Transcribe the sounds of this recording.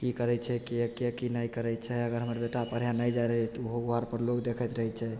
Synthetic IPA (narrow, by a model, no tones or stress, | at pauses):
kikəɾɛt͡ʃʰɛkiəkiəkinajkəɾɛjt͡ʃʰɛəɡəɾɦəməɾbeʈapəɾ̤janajd͡ʒaɾəɦt̪uɦoɡoaɾpəɾlokd̪ekʰət̪ɾəɦɛt͡ʃʰɛ